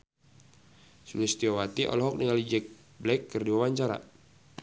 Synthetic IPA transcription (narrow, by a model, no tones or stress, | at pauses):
sulɪst̪iowat̪iʔɔ̰lɔɦɔk̚niŋalid͡ʒɛk̚ | blɛkːɨrdiwawaɲt͡ʃaɾa̰